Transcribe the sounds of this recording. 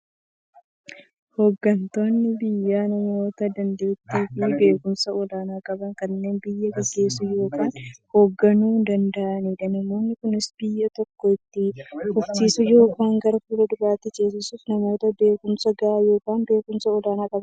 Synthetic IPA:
hoːɡːɐnt̪o̞ːnːɪbɪjːaːnɐmo̞ːt̪ɐd̪ɐnd̪e̞ːt̪ːiːfɪbe̞ːkʊmsɐɔlaːnaːkʼɐbɐŋkɐnːe̞ːnbɪjːɐɡɐɡːe̞ːsʊjo̞ːkaːnhoːɡːɐnuːnd̪ɐnd̪ɐʔɐniːᶑɐnɐmo̞ːnːɪkʊnɪsb̥ɪjːɐt̪ɔkːɔɪt̪ːɪhʊft̪iːsʊjo̞ːkaːŋɡɐɾfuːlɐd̪ʊbaːt̪ːɪt͡ʃʼeːsɪsuːfnɐmo̞ːt̪ɐbe̞ːkʊmsɐɡaːjo̞ːkaːnbe̞ːkʊmsɐɔlaːnaːkʼɐbɐ

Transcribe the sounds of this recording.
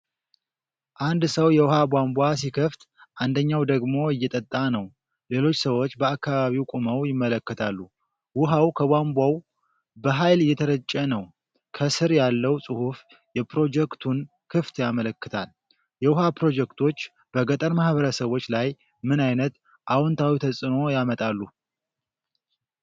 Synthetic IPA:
ʔand̪səwjɛwʊhabʷambʷasikʰəft̪ | ʔand̪əɲːawd̪əɡmo̞ɨjːɛt̪ʼət̪ʼːanəw | le̞lo̞t͡ʃːsəwo̞t͡ʃːbəakːaβaβiwkʼuməwjɪmːələkːət̪ʰalːu | wʊɦawkʰəbʷambʷaw | bəɦajlɨjːɛt̪ʰəɾət͡ʃʼːənəw | kʰəsɨɾjalːəwsʼɨhuf | jɛpɾo̞d͡ʒɛkt̪ʰun | kʰɨft̪jamələkːɨt̪ʰal | jɛwʊhapɾo̞d͡ʒɛkt̪ʰo̞t͡ʃː | b̥əɡət̪ʼəɾmahβəɾəsəβo̞t͡ʃːlaj | mɨnajnət̪ | ʔawɔnt̪ʰawit̪ʰəsʼɨno̞jamət̪ʼalːu

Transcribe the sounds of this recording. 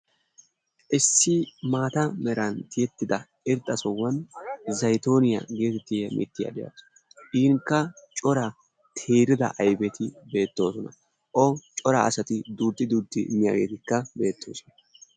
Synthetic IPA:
ʔɪsːɪmaːt̪ɐmɛɾɐnt̪ɪjɛt̪ːɪd̪ɐ | ɪɾd̪ʼɐsɔwːɐnzɐjt̪o̞ːnɪjɐ̰ɡe̞ːt̪ɛt̪ːɪjɛmʔɪ̰t̪ːɪjɐ̰d̪ɛjɐ̰s | ʔɪːŋkːɐt͡ʃʼɔɾɐ | t̪ʰeːɾɪd̪ɐ̰ʔɐjbɛt̪ɪbe̞ːt̪ːo̞ːsɔnɐ̰ | ʔɔt͡ʃʼɔɾɐːsɐt̪ɪd̪uːd̪ːɪd̪uːd̪ɪmːɪja̰ːɡe̞ːt̪ɪkːɐbe̞ːt̪ʰːo̰ːʃɪ

